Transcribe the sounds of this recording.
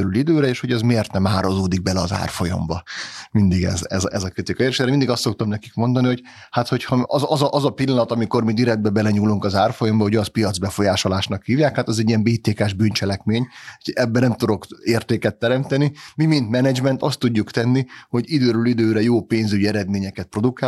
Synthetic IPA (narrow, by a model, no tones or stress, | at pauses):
øɾylid̪øːɾɛeːʃho̞ɟɛzmeːrt̪nɛmaːɾozoːd̪iɡ̚bɛlɛɒza̰ːrfo̞jɒ̰mbɒmind̪iɡɛ̰zɛ̰zɛzɒkɾit̪ikɒjeɾeʃɛɾɛmind̪iɡɒst̪sok̚t̪omnɛki̥kmo̞nd̪ɒniɦo̞c | hat̪ho̞chɒɒzʔɒzɒʔɒzɒpilːɒnɒt̪ɒmiko̞rmid̪iɾɛd̪̚bɛbɛlɛɲuːluŋkɒzaːrfo̞jombɒɦo̞ɟɒspijɒd̪zbɛfo̞jaːʃo̞laːʃnɒkhiːvjaːkhaːt̪ɛzɛɟːijɛmbeːt̪eːkaːʒbynt͡ʃɛlɛkmeːɲɛbːɛnɛmt̪ud̪o̞keːrt̪eːkɛt̪ːɛɾɛmt̪ɛnimimint̪mɛnɛd͡ʒmɛnt̪ɒst̪ːuɟːukt̪ɛnːiho̞ɟid̪øːɾylid̪øːɾɛjoːpeːnzyɟiɛɾɛd̪meːɲɛkɛt̪̚pro̞d̪ukaː